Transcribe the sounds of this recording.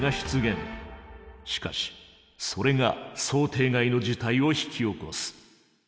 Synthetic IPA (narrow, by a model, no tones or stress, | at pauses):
aɕi̥t͡sɨɡẽ̞ŋ | ɕi̥ka̰ɕi̥ | so̞ɾe̞ɡaso̞ːt̪ʰe̞ːɡaino̞d͡ʑit̪aio̞çi̥kʲio̞ko̞̰sɨ̥